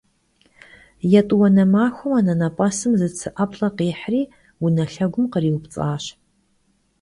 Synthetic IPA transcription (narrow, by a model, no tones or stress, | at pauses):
jɛtʼwɐnɐmaːxʷʊmanɐnɐpʼɐsɨmzɨt͡sʰɨʔɐpʰɬʼɐqiːħriː | wunɐɬɐɡʷʊmqəriːwpt͡sʼaːɕ